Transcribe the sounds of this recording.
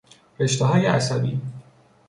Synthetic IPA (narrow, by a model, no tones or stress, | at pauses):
ɾe̞ʃt̪eɦɒːjeʔæsæbḭː